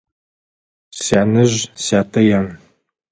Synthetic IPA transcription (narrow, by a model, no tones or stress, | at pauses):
ɕaːnɨʑsaːtʰɐjan